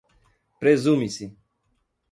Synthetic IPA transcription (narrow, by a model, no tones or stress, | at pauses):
pɾezumisi